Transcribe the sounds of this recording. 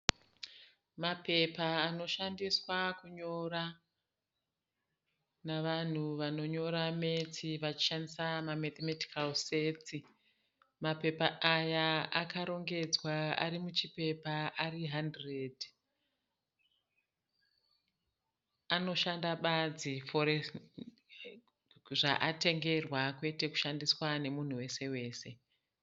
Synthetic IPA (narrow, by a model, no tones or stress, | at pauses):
mape̞paːno̞ʃandiswakuɲo̞ɾa | naʋan̤uʋano̞ɲo̞ɾame̞t͡siʋat͡ʃi̥ʃandisamamat̪emati̥kalseːt͡si | mape̞paajaakaɾo̞ŋɡe̞d͡zwaa̰ɾimut͡ʃipe̞paʔariɦandred | ano̞ʃandaɓad͡zifoɾe | ʐaʔate̞ŋɡe̞rwakwe̞te̞ku̥ʃandiswane̞mun̤uwe̞se̞we̞ːse̞